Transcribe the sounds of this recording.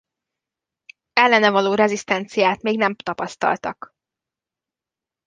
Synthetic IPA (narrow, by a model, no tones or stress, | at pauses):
ɛlːɛnɛvɒloːɾɛzist̪ɛnt̪sijaːt̪meːɡnɛmt̪ɒpɒst̪ɒ̰lt̪ɒ̰k